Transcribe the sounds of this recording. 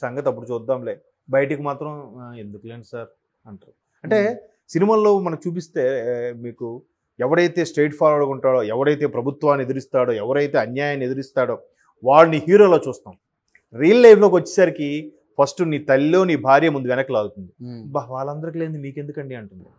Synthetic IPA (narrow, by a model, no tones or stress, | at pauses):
sɐŋɡɐt̪ɐpːuɽut͡ʃuːd̪ːaːmleː | bɐjɐʈikimaːt̪ɾɐme̞nd̪ukɐleːnisaːɾ | ɐɳʈa | ɐɳʈe̞ː | sinimaːlo̞ːmɐnɐkt͡ʃuːp̬ist̪e̞ːmiːku | ɛʋɐɽɐjt̪e̞ːsʈe̞ːʈpʰaːɾoɽɐkuɳʈaːɽo̞ːɛʋɐɽɐjt̪̬e̞ːpɾɐbʱut̪ʋaːnːied̪iɾist̪aːɽoːɛʋɐɾɐjt̪eːɐnjaːjaːne̞d̪iɾist̪aːɽo̞ː | ʋaːɭɐniɦiːɾo̞ːlo̞ːt͡ʃuːst̪aːm | ɾiːɐlːɐjflo̞ːkʋɐt͡ʃːi̥saːɾiki | pʰɐsʈuniːt̪ɐlilo̞ːniːbʱaːɾjɐmund̪uʋɛnɐkɐlaːɡ̪ut̪und̪ibaːʋaːɭːɐnd̪ɐɾɐkile̞ːnd̪umiːke̞nd̪ukɐɳɖiɐɳʈund̪ḭ